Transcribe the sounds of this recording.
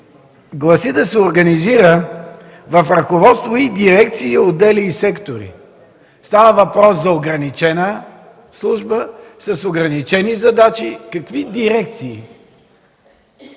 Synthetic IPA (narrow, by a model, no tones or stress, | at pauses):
ɡlˠɐsid̪ɐsɛoɾɡɐniziɾə | vɐfɾɐkovɔt̪st̪void̪iɾɛk̚t̪siːod̪ɛliːsɛkt̪oɾḭ | st̪avəvɐpɾɔszɐoɡɾɐnit͡ʃɛnə | slˠuʒbəsɐsoɡɾɐnit͡ʃɛnizɐd̪at͡ʃikɐkvid̪iɾɛk̚t̪siː